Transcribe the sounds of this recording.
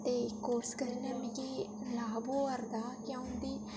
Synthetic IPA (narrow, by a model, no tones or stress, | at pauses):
t̪eːkoːskəɾnəmɡiː | laːboːəɾd̪aːkjãːʊ̃nd̪iː